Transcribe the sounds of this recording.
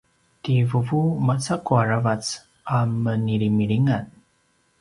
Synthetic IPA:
tivəvumat͡sakuaɾavat͡s | amːəniɾimiɾiŋan

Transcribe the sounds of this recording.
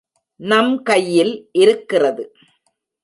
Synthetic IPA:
nɐmkɐjːɪlʔɪɾɯkːɪrɐðɯ

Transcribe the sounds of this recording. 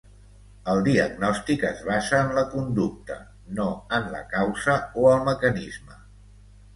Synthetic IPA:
əlˠd̪iəɡnɔst̪ikəzβazəːnləkund̪uk̚t̪ə̰ | noənlə̰kawzəoəlˠməkənizmə

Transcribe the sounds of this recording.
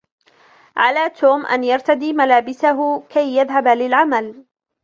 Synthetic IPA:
ʕalaːt̪ʰoːmʔa̰njɑɾˤt̪ad̪iːmalaːbɪsaɦʊkajːaðɦabalɪlʕamal

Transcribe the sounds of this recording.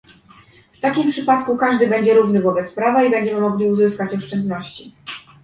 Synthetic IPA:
ft̪akʲimpʂɘpat̪kukaʐd̪ɘbɛɲd͡ʑɛɾuvnɘvɔbɛt̪spɾavaibɛɲd͡ʑɛmɘmɔɡlʲiuzɘskat͡ɕɔʂt͡ʂɛnd̪nɔɕt͡ɕi

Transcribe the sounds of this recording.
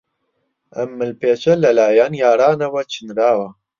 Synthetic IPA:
ɐmːɨlpeːt͡ʃɐlɐlaːjaːnjaːɾaːnɐwɐt͡ʃʰɨnɾaːwɐ

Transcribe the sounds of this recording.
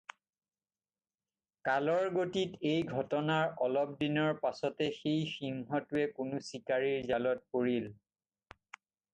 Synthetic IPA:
kalɔɹɡotitejɡʱɔtɔnaɹɔlɔp̚dinɔɹpasɔtɛxejxiŋɦɔtʊɛkʊnʊsikaɹiɹzalɔt̚poɹil

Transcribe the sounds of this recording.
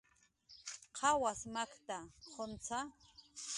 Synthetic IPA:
qʰɑwasmakt̪aχʰont͡sʰa

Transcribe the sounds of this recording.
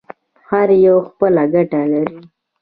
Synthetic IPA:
haɾjowxpəlaɡaʈalaɾi

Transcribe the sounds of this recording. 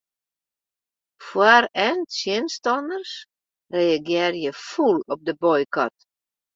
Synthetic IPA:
fwarɛntsjiənstɔnərs | reaɡjɪːrjəfulɔp̚dəbɔjkɔt

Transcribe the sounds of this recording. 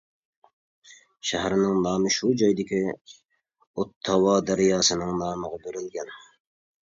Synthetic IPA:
ʃæɦæɾɪnɪŋnɑːmɨʃud͡ʒɑjd̪ɪkʲʰi | ot̪ʰːɑwɑːd̪æɾɪjɑːsɨnɨŋnɑːməʁɑbøɾɪlɡʲɛn

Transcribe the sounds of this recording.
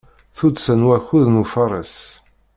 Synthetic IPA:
θud̪sənwæçuðnufəɾˤə̰s

